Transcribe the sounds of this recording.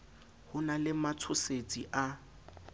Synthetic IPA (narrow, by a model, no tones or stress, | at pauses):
hʊnalɪmat͡sʰʊset͡sʼiʔa